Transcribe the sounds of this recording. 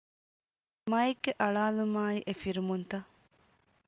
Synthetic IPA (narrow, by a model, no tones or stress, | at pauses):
mɐeɡːeʔɐɭaːlumaːiʔefiɾumunt̪ɐ